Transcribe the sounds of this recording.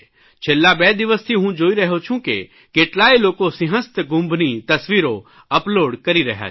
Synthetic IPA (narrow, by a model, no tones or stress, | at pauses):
t͡ʃʰeːlːabɛːd̪ɪʋəst̪ʰiɦũd͡ʒoːiɾɐɦot͡ʃʰũkḛ | keːʈlaːiloːkosɪ̃ɦə̃st̪ɡʊ̃mbʱnit̪ɐsʋiːɾo | ɐploːɖkɐɾiɾɐ̰ɦja̰